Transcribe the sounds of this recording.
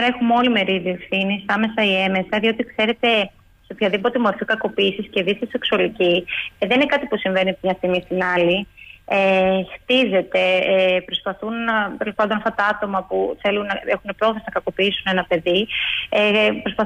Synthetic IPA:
ɾɐexumo̞lime̞ɾiðie̞fθinisɐme̞sɐie̞me̞sɐðio̞t̪ikse̞ɾe̞t̪e̞ | seopçɐðipo̞t̪e̞mo̞ɾfikɐko̞piːsisceðist̪eseksuɐliciðeninekɐt̪ipusiɱve̞niɐpt̪mɲɐst̪iɣmist̪inɐliext̪ize̞t̪e̞pɾo̞spɐθunt̪elo̞spɐnd̪o̞nɐft̪ɐt̪ɐɐt̪o̞mɐpuθe̞lunːɐexunepɾo̞θenɐkɐko̞piisunenɐpe̞ðiepɾo̞spɐ

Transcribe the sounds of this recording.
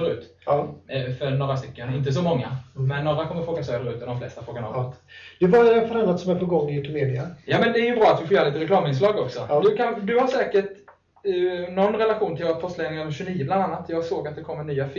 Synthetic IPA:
ɾʉ̟ːt̪ | fœɾnoːɾast̪ʏkːənɪnt̪əs̬ɔmɔŋːa̰mɛnːoːɾakʰɔmːəɾfɾoːɡasøːd̪əɾʉ̟ːt̪ɔd̪ɔmflɛ̰st̪afɾoːɡanɔ̰lt̪d̪̥ɛvafaɾanːat̪sɔmɛɾpʰɔɡɔŋːɪʉt̪ɵmeːd̪ɪajɑːmɛnd̪ɛæɾjɵbɾɑːat̪vɪfoːjœːɾliːt̪əɾɛkʰlɑːmɪns̬lɑːɡɔksɔd̪ɵkʰand̪ɵhaʂɛːkəʈ | nɔnːɾɛlaɧuːnt̪ʰɪlvoɾat̪fœst̪lɛɡnɪŋɔɕɵniːəbland̪anːat̪jɑːɡsoːɡat̪̚d̪ɛkʰɔmːəɳyːaf

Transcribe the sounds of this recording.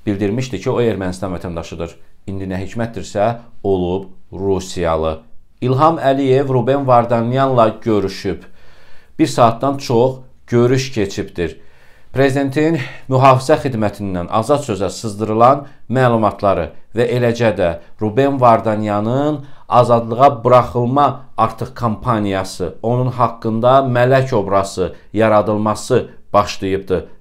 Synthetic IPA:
b̥ild̪iɾmiʃd̪icʰioe̞ɾmænist̪ɑnvæt̪ʰænd̪ɑʃɯd̪ɯɾind̪inæɦicʰmæt̪̚d̪iɾsæo̞lˠubɾusijɑ̰lˠɯ | ilˠɦɑmælije̞vɾube̞nvɑɾd̪ɑnjɑnlˠɑɟø̞ɾyʃyb | b̥iɾsɑːt̪̚d̪ɑnt͡ʃʰo̞χ | ɟ̥ø̞ɾyʃcʰe̞t͡ʃʰipd̪iɾ | pʰɾe̞zid̪e̞nt̪ʰinmyɦɑːfizæχid̪mæt̪ʰind̪ænʔɑ̰zɑd̪sø̞zæsɯzd̪ɯɾɯlˠɑnmæːlˠumɑt̪ʰlˠɑɾɯ̰væʔe̞læd͡ʒæd̪æɾube̞nvɑɾd̪ɑnjɑnɯnɑzɑd̪lˠɯʁɑbɯɾɑχɯlˠmɑɑɾt̪ʰɯχkʰompʰɑnijɑsɯ̰o̞nunɦɑkːɯnd̪ɑmælæco̞bɾɑsɯjɑɾɑd̪ɯlˠmɑsɯb̥ɑχʃlˠɯjɯp̚d̪ɯ

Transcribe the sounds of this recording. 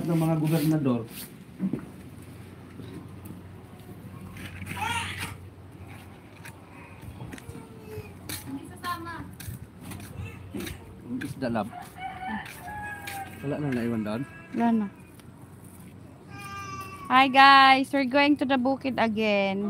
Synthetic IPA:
t̪̚nɐŋmɐŋaɡobɛɾnad̪or | s | ama | ŋʔisd̪alab̚ | wɐlaʔnaŋnaʔiwand̪aʔon | ɡana | hajɡajswəɹɡowɪ̃ŋt̪ud̪ɐbukɪd̪ɐɡɛn

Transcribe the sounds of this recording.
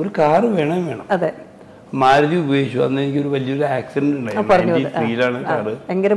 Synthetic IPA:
oɾukaːrɨʋe̞ːɳɐmʋe̞ːɳɐmɐðe | maːɾɐðiubɐeːɕːuɐ̰nːenikʲːo̞ɾuʋɐlijɐo̞ɾuaːksidɐɳɖuɳɖajpɐrɐɲːuɐiðɨfriːilaːɳɨkːaːrɨeŋɡɐɾɐ

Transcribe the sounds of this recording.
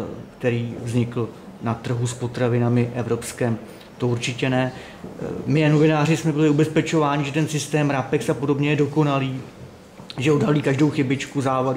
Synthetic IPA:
kt̪ɛɾiːvzɲɪkl̩ | nat̪r̩ɦuspo̞t̪ɾavɪnamɪʔɛvɾo̞pskɛːm | t̪o̞uɾt͡ʃɪcɛnɛ | mɪano̞vɪnaːr̝ɪsmɛbɪlɪubɛspɛt͡ʃo̞vaːɲɪʒɛt̪ɛnsɪst̪ɛːmɾapɛksapo̞do̞bɲɛjɛdo̞ko̞naliː | ʒɛo̞dɦaliːkaʒdowxɪbɪt͡ʃkuzaːva

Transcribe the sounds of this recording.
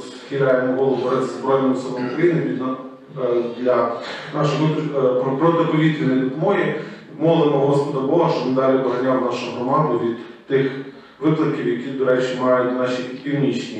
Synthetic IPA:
s | xʲɪlʲajemɔɦɔlˠʊɦʊɾɛzzbɾɔjnɔmɔsɔmɔjʊkɾɐjinɪʋʲid̪n | d̪lʲɐnɑʃɔɪt̪pɾɔt̪ɪpɔʋʲit̪ʋʲinɪd̪ʊp̪mɔji | mɔlˠemɔɦɦɔspɔd̪ɐbɔɦɐʃt͡ʃɔnɪd̪ɑlʲibɐɦɐnʲawnɑʃʊʊɦɾɔmɑnd̪ʊʋʲid̪̥ | t̪ɪx | ʋɪplˠɐkʲiwjɐkʲid̪ɔɾɛt͡ʃɪmɑjʊt̚ʲnɑʃʲipʲiwnʲit͡ʃnʲi

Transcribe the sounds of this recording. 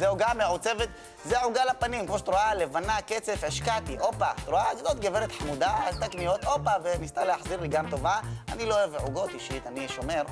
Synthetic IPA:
zeoɡameʕot͡se̞vet̪ | zeʕuɡalapanimkmoʃt̪ʁoalevanaket͡se̞feʃkat̪iʔo̞pat̪ʁoaɡdot̪ɡeveɾet̪ħamud̪aalt̪aknijo̞t̪o̞pavenist̪aleaħziʁliɡamt̪o̞vaa̰nilooeveʕuɡo̞t̪iʃit̪aniʃo̞me̞ʁ

